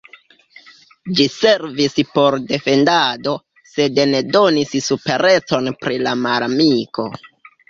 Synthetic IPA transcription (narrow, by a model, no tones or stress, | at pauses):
d͡ʒise̞ɾvispo̞ɾde̞fe̞ndado̞ | se̞dne̞do̞nissupe̞ɾe̞t͡so̞npɾilamalamiko̞̰